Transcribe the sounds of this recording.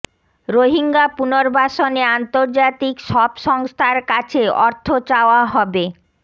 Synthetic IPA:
ɾoɦiŋɡapunoɾbʱaʃoneant̪oɾd͡ʑat̪ikʃɔbʃɔŋst̪ʰaɾkat͡ɕʰeɔɾt̪ʰot͡ɕaoaɦɔbe

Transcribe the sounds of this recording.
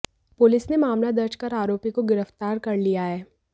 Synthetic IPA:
pʊlɪsnemaːmlad̪ɐɾt͡ʃkɐɾaːɾoːpikoɡɪɾəft̪aːɾkɐɾlijaɦɛː

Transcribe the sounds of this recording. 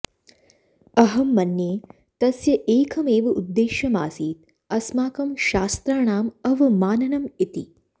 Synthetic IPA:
ɐɦɐmːɐnjeː | t̪ɐsjɐʔeːkʰɐmeːʋɐʔud̪ːeːʃjɐmaːsiːt̪̚ | ɐsmaːkɐmʃaːst̪ɾaːɳaːmɐʋɐmaːnɐnɐmit̪i

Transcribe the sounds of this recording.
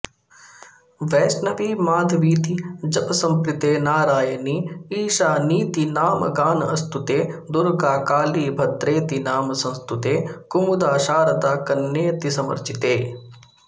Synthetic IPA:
ʋɛːsnɐʋiːmaːd̪ʱʋiːt̪id͡ʒɐpsɐmpɾɪt̪eːnaːɾaːjəniiːʃaːniːt̪inaːm̰ɡaːnɐst̪ut̪eːd̪ʊɾɡaːkaːliːbʱɐd̪ɾeːt̪inaːmsɐ̃nst̪ut̪eːkʊmud̪aːʃaːɾɐd̪aːkɐnːeːt̪isɐmɐ̰ɾt͡ʃit̪eː

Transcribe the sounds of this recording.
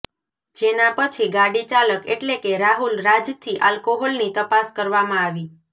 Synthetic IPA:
d͡ʒenãpət͡ʃʰiɡaɽit͡ʃaləkḛʈlekeɾaɦulɾad͡ʒt̪ʰiʔalkoɦɔlnit̪əpaskəɾʋamãaʋi

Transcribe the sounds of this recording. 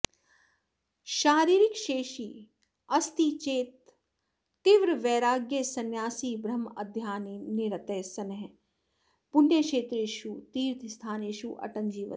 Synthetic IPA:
ʃaːɾiːɾɪkʃeːʃiː | ɐst̪it͡ʃeːt̪ː | iʋɾʋeːɾaːɡjesɐnjaːsiːbɾɐmɐ̰d̪ʱjaːnineɾɐt̪eːsɐnɦ | pʊnjəkʃeːt̪ɾeːʃut̪iːɾt̪ʰist̪ʰaːneːʃuːʔɐ̰ʈɐnd͡ʒiːʋɐ̰

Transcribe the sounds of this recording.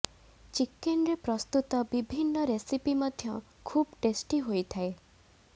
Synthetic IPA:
t͡ʃikːenɾepɾɔst̪ut̪ɔbibʱinːɔɾesipimɔd̪ʱjɔ | kʰubʈesʈiɦojt̪ʰae

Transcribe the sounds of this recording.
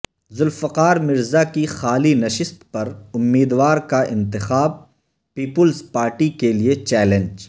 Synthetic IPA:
zʊlfɐqaːɾmɪɾzakixaːlinɐʃɪst̪pɐɾʊmːiːd̪waːɾkaʔɪ̃nt̪ɪxaːb̚ | piːpʊlzpaːɾʈikeliet͡ʃɛːlẽnd͡ʒ

